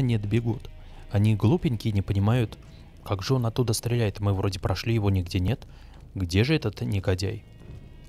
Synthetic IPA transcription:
nʲɪd̪bʲɪɡut̪ | ɐnʲiɡlˠupʲɪnʲkʲɪnʲɪpənʲɪmajʊt̪ | kaɡʐɨo̞nɐt̪ːud̪əst̪ɾʲɪlʲæjɪt̪mɨvɾo̞dʲɪpɾʔɐʂlʲijɪvo̞nʲɪɡdʲe̞nʲe̞t̪ | ɡdʲe̞ʐɨɛt̪ət̪nʲɪɡɐdʲæ̰j

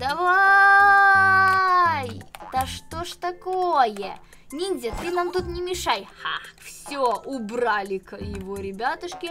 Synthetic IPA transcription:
d̪̥ɐva | jt̪ɐʂt̪oʂt̪ɐkojə | nʲinʲzʲet̪ɨnamt̪ut̪nʲɪmʲɪʂajxa̰fsʲoʔʊbralʲɪkjɪvoɾʲɪbʲat̪əʂkʲɪ

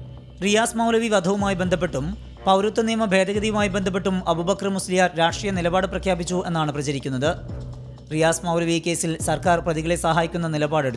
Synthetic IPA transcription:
rijaːsmɐwlɐʋiʋɐd̪ʱɐʋumaːjibend̪ʱɐp̬ːe̞ʈːum | pɐwɾut̪ːɐnijmɐbʱe̞ːd̪ɐɣɐðijumaːjibend̪ʱɐp̬ːe̞ʈːumɐbubɐkrɐmuslijaːɾɾaːʂʈrijɐnilɐbaːɽɨprɐkʰjaːbit͡ɕːue̞nːaːɳɨprɐt͡ɕɐɾikʲːunːɐðɨ | rijaːsmɐwlɐʋijekʲːe̞ːsilsɐrkaːrprɐðiɣɐɭe̞sɐɦaːjikʲːunːɐnilɐbaːɽeɽu

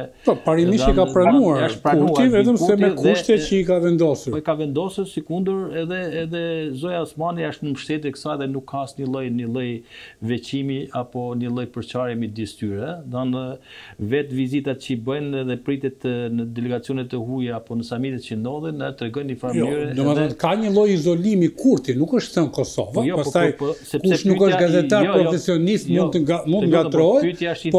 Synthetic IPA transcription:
pɔpaɾimiðʃainkapɾanuaɾaʃt̪pɾauɾuaivɛt̪əmusɛmɛkðuʃt̪ɛcəikavɛnd̪ɔsuɾikavɛnd̪ɔsuɾsikund̪əɾɛðɛːðɛzɔjaɔsmaniaʃt̪nəməʃt̪ɛt̪̬ɛkə̥saɛðɛnukʰːasɲəlˠəjnəlˠɛjvɛt͡ɕimiapɔnəlˠəjpəɾt͡ʃaɾjɛmid̪ist̪yɾɛðan | vɛt̪vizit̪at̪̚t͡ɕəbəjnðɛpɾit̪ɛt̪nəd̪ɛlɛɡat͡sijɔnɛt̪ɛɦujaapɔnəsamit̪ɛt̪̚t͡ɕənd̪ɔðinɛt̪ɾɛɡɔjnifɾaɾɛd̪ɔmaɔt̪kaɲəlˠɔjizɔlimikʰuɾt̪inukəʃt̪sɛnkɔsɔ̰vajɔpast̪ajsɛkuɛʃnukəʃt̪ɡazɛt̪aɾpɾɔfɛsiɔnist̪mũnt̪amunt̪əŋɡat̪ɾɔjt̪apɔ

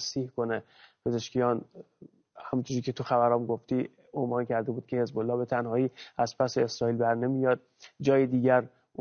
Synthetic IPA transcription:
siːhkone | pʰe̞ze̞ʃkijɒːn | hæmut̪ʰoɾicet̪ʰuxæbæɾɒːmɡoft̪iː | onvɒːncʰæɾd̪ebuːd̪̥̚kʰʲe̞he̞zbolːɒːbe̞t̪ʰænhɒːiːæzpʰæseːsɾɒːiːlbæɾnemijɒːd̪̥̚d͡ʒɒːjed̪iːɟæɾ

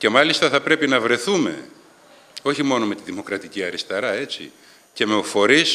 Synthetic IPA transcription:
ce̞mɐlist̪ɐθɐpɾe̞pinɐvɾe̞θume̞̰ | o̞çimo̞no̞me̞t̪iðimo̞kɾɐt̪iciɐɾist̪eɾɐe̞t͡sḭ | ce̞meofo̞ɾis

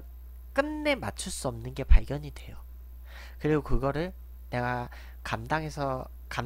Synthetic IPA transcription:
k͈ɯnːe̞ma̰t͡ɕʰuɭs͈uʌmnɯnɡe̞paɭɡjʌɲidwe̞jo | kɯɾiɡokɯɡʌɾɯɭ | ne̞ɡa | kamdaŋe̞sʰʌ | kam

